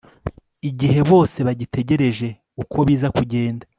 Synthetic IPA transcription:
iɟihe̞βo̞ːse̞βaɟitʰe̞ɟe̞ɾe̞ʒe̞ | ukʰo̞βiːzakuɟe̞ːnda

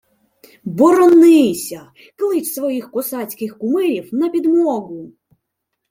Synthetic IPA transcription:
bɔɾɔnːɪjsʲɐ | klˠɪt͡ʃsʋɔjixkɔsat͡sʲkɪxkʊmɪɾʲiwnɐpʲid̪mɔɣʊ

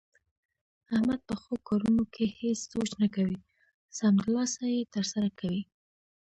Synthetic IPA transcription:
ahmad̪̚pəxokɑɾunokʰehesz̥ot͡ʃnakawi | samt̪lɑsajet̪əɾsaɾakʰawi

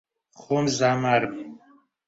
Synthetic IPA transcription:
χomzamaɾm

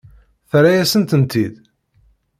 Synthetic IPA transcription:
θɾajæsənt̪ənt̪id̪

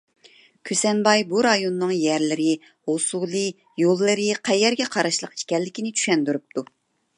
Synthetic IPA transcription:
kʲʰysɛnbɑjbuɾɑjonːɨŋjɛɾlɪɾɪ | hosulˠɨ | jolˠːɨɾɪqʰæjːɛɾɡʲɛqʰɑɾɑʃlˠəqi̥ʃkʲɛlːɪkʲinɪt͡ʃʰy̥ʃɛnd̪yɾup̚t̪ʰu

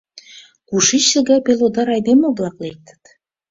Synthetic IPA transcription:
kuʃit͡ɕːə̆ɣɑpelod̪ɑɾɑjd̪emoblˠɑklek̚t̪ə̥t̪

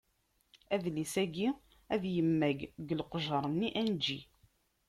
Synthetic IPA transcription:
æðlisæɡi | æðjəmːæɡɡəlqʒəɾˤnːiʔænd͡ʒi

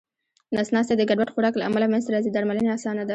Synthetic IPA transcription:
nɑsnɑst̪ed̪əɡaɖwaʈxoɽɑklaʔa̰malapmanzt̪ɾɑzid̪aɾmaləneɑsɑnad̪a

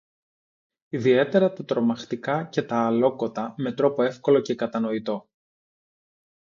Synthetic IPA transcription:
iðie̞t̪e̞ɾɐt̪ɐt̪ɾo̞mɐxt̪ikɐce̞t̪ɐːlo̞ko̞t̪ɐme̞t̪ɾo̞po̞e̞fko̞lo̞ce̞kɐt̪ɐno̞it̪o̞

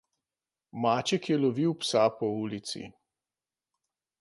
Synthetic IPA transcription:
maːt͡ʃɛkjɛlɔʋiwpsapɔuːlit̪sḭ

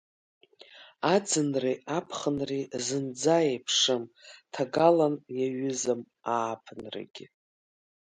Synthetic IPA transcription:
ad͡zɨnriapʰχənrizɨnd͡zajepʰʂɨmtʰaɡalanjaɥʏzɨm | aːpʰnra̰ɡʲɪ

